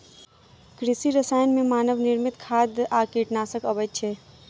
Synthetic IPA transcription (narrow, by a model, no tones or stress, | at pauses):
kɾɪsiɾəsaːjənmẽmaːnəʋnɪɾmɪt̪kʰaːd̪aːkiːʈnaːsəkəbəd̪̚t͡ʃʰeː